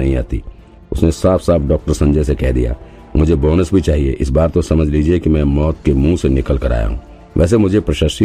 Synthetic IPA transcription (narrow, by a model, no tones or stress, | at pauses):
ɐɦĩa̰ːt̪ḭ | ʊsnesaːfʰsaːfʰɖɔːk̚ʈəɾsɐ̃ɲd͡ʒəjs̬ekɛɦd̪ija̰ː | mʊd͡ʒʱebɔːnəsbʱit͡ʃaːɦiḛʔɪsbaːɾt̪osɐməd͡ʒʱliːd͡ʒiekimɛ̃mɔːt̪kemũsenɪkəlkɐɾa̰ːja̰ɦṵ̃ː | ʋʔɛ̰ːs̬emʊd͡ʒʱepɾɐʃaːʃi